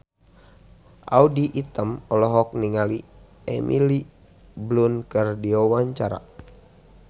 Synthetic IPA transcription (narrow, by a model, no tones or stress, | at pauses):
ʔa̰udiʔit̪əmɔlɔɦɔk̚niŋali | ɛmʔḭli | blunkərdiɔwaɲt͡ʃaɾa̰